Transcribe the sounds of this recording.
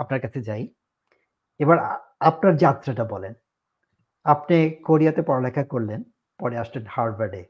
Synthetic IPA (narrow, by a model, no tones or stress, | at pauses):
ap̚naɾkat͡ɕʰed͡ʑaj | ebaɾ | apnaɾd͡ʑat̪ːɾaʈabɔlen | apnekoɾijat̪epɔɾolɛkʰːakoɾlen | pɔɾeaʃlenhaɾbaɾɖe